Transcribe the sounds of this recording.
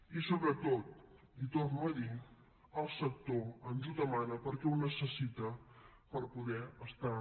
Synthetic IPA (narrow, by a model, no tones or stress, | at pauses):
isoβɾət̪ot̪̚ | it̪orməði | əlˠsək̚t̪oənzuðəmanəpəɾkɛunəsəsit̪əpəɾpuðɛəst̪a